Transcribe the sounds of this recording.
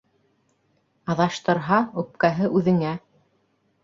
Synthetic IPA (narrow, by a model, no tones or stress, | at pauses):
ɑðɑʃt̪ɤ̆ɾɦɑʉp̚kæɦɘʔʉðɘ̆ŋæ